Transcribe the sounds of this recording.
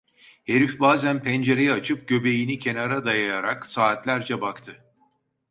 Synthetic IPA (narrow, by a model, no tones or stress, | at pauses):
he̞ɾifbaːzænpʰænd͡ʒe̞ɾe̞jɛat͡ʃʰɯp̚ɟ̥ø̞be̞jinicʰe̞naɾad̪ajajaɾaksaːt̪lʲæɾd͡ʒɛbakt̪ʰɯ